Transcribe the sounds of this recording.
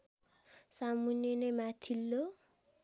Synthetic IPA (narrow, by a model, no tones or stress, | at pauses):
samunjenemat̪ʰilːo